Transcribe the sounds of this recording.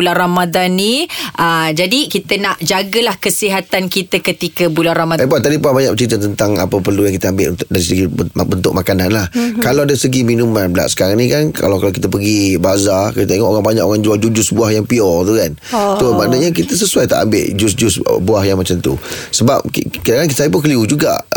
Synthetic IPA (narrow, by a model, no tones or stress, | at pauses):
ularamad̪anːiʔəd͡ʒadikit̪ənaʔd͡ʒaɡəlahkəsiɦat̪ankit̪əkət̪ikəbularamaapuat̪adipuabaɲak̚bət͡ʃəit̪ət̪ənt̪aŋa̰pəpərlujaŋkit̪əambɪʔunt̪k̚daɾisəɡibənt̪ʊk̚makananlahkalawdaɾisəɡiminũmanbəla̰ʔsə̥kaɾaŋnĩkanka̰lawkalakit̪əpəɡibaazakiət̪eŋɔʔoɣaŋbaɲa̰koɣaŋd͡ʒuald͡ʒud͡ʒusbuahjaŋpiɔt̪ukan | t̪omanəʔɲak̬it̪əs̬əsuajt̪a̰ʔa̰mbɪ̰ʔd͡ʒusd͡ʒʊsbuahjaŋmat͡ʃamt̪ṵsəba̰p̚kidakank̬it̪əsaip̬ʊk̬əliud͡ʒuɡa̰ʔ